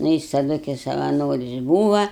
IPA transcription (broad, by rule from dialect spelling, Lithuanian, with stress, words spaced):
ˈnʊ jɪs tɐˈdʊ kɐɪ sɐʋɐˈnoːrʲɪs ˈbuːʋɐ